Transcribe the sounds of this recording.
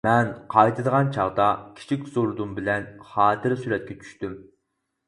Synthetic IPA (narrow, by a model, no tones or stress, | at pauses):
mɛnqʰɑjt̪ʰɨd̪əʁɑnt͡ʃʰɑʁd̪ɑkʲʰi̥t͡ʃʰikʲz̥oɾd̪umbɪlɛnχɑːt̪ʰɪɾsyɾɛt̪̚kʲɛt͡ʃʰy̥ʃt̪ym